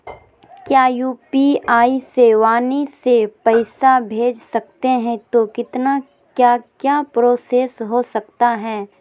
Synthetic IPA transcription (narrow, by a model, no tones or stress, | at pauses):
kjaːjuːpiaːiseːʋaːnisepɐɪsabʱeːd͡ʒsɐk̚t̪eɦɛ̃t̪okɪt̪na | kjaːkjaːpɾoːseːsɦosɐk̚t̪aɦɛː